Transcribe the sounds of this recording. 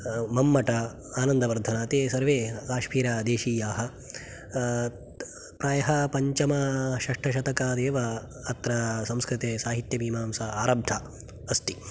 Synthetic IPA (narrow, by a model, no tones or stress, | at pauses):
mɐmːɐʈɐ | aːnɐnd̪ɐʋɐɾd̪ʱɐnaːt̪eːsɐɾʋeːkaːʃmiːɾaːd̪eːʃiːjaːɦɐ̆ | pɾaːjɐɦɐpɐɲt͡ʃɐmɐʃɐʂʈʰɐʃ̬ɐt̪ɐkaːd̪eːʋɐː | t̪ɾɐsɐmskɾɪt̪eːsaːɦit̪jɐbiːmaːmsɐaːɾɐbd̪ʰʱɐ | ɐst̪i